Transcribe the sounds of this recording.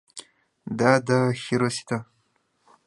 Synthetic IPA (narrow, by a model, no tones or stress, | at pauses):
dadaxiɾosi̥tʰa